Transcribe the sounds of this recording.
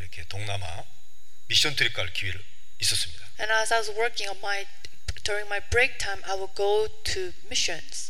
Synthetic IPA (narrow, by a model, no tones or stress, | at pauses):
iɾʌkʰetoŋnama̰ | miɕ͈ʌntuɾik͈aɭkiwiɾɯ | is͈ʌs͈ɯmɲid̥aɛ̃naɪzaɪwʌzwə˞kɪ̃ŋʌnmaɪ | d̥ʊɹɪ̃ŋmaɪbɹeɪk̚tʰãɪ̃mʔaɪwɪlɡoʊ | tʰu | mɪʃʌ̃nz̥